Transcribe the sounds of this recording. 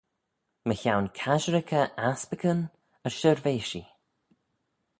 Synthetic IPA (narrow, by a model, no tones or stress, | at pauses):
məçawnkʰaʒɾɪkʰəʔaspəkʰən | əɹʃəɹveːʃi